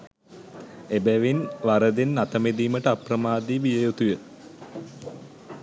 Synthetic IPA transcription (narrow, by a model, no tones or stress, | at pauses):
ebæʋinʋaɾəd̪enːat̪əmed̪iːməʈəaprəmaːd̪iʋijəjot̪ujə